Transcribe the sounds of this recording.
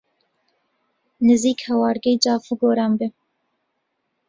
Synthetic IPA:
nɨziːkhɛwɑːɾɡɛjd͡ʒɑːfuɡoːɾaːmbɪ

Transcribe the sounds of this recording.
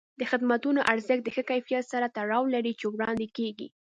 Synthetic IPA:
d̪əxɪd̪mat̪unoʔaɾzəxd̪əxəkajfijat̪saɾat̪aɽɑwlaɾit͡ʃewɽɑnd̪ekeɡḭ

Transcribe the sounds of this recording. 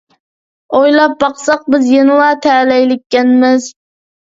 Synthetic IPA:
ojlɑp̚bɑqsɑq̚bɪzjenɪlˠɑt̪ʰælæjlɪkʲːænmɪz

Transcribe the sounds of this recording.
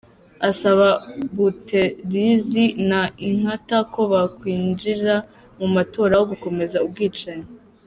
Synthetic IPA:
asaβaβutʰeɾizinaiŋ̥hatako̞βakwiːnd͡ʒiɾa | mumato̞ːɾawoβuko̞me̞zaub̚ɡiːt͡ʃaɲe

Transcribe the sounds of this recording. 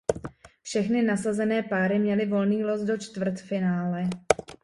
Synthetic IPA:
fʃɛxnɪnasazɛnɛːpaːɾɪmɲɛlɪvo̞lniːlo̞sdo̞t͡ʃt̪vr̩t̪fɪnaːlɛ

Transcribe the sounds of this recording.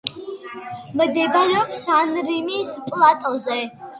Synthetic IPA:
məd̪ejbalapʰsanrimiːspʼlatʼazaj

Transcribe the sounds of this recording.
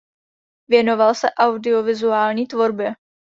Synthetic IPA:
vjɛno̞valsɛʔawdɪovɪzuaːlɲiːt̪vo̞ɾbɛ

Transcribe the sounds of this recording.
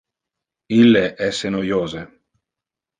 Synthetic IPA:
ilːeʔɛsːenojoːze

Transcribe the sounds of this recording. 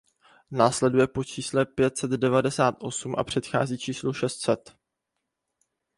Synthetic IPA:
naːslɛdujɛpo̞t͡ʃiːslɛpjɛt̪sɛd̪dɛvadɛsaːt̪ʔo̞sumʔa̰pr̝̥ɛt̪xa̰ːziːt͡ʃiːsluʃɛst̪sɛt̪

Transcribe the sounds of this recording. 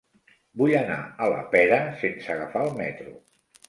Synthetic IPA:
buʎəna̰ələ̰pɛɾəsensəɣafaːlˠmɛt̪ɾu

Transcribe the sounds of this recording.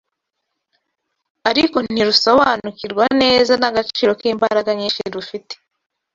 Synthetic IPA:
aɾiko̞nn̥iɾuso̞βanukiɾɡwane̞ːzanaɡat͡ʃiːɾo̞kiːmbaɾaɡaɲiːnʃiɾufite̥

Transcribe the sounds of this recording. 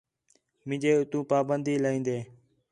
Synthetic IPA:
mɪ̃d͡ʒeːʊt̪ũːpaːbənd̪iːlĩːnd̪eː

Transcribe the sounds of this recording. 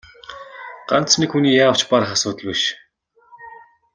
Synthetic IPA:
ɢ̥a̰n̥t̪snikxuniːjaːwt͡ɕpaɾə̆χasʊːt̪ə̆ɮweʃ

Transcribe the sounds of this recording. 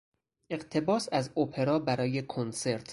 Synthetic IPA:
ʔe̞ɢt̪ʰe̞bɒːsæzopʰe̞ɾɒːbæɾɒːje̞kʰonse̞ɾt̪ʰ

